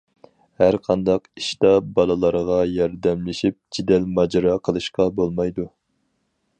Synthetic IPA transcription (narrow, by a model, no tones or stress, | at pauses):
hæɾqʰɑnd̪ɑqiʃt̪ɑbɑlˠɨlˠɑɾʁɑjɑɾd̪ɛmlɪʃip̚d͡ʒid̪ɛlmɑd͡ʒɾɑqʰəlˠɨʃqɑbolˠmɑjd̪u